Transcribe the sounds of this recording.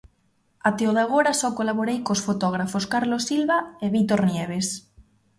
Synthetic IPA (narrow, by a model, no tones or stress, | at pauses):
at̪eoðaɣ̞oɾasɔkolaβoɾejkosfot̪ɔɣɾafoskaɾlosilβaeβit̪oɾnjɛβ̞es